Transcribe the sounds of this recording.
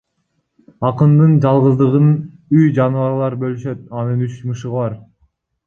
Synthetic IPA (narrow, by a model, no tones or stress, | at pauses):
ɑqɯnd̪ɯnd͡ʒɑlˠʁɯzd̪ɯʁɯn | yjd͡ʒɑnvɑɾlˠɑɾbø̞lyʃø̞t̪̚ɑnɯnyt͡ʃmɯʃɯʁβɑɾ